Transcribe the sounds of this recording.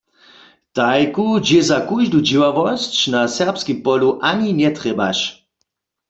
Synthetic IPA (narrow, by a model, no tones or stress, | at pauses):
t̪ajkud͡ʒɛzakuʒdud͡ʒiwavɔst͡ɕnasɛʁpskimpɔluʔaɲinɛt̪ʁɛba̰ʃ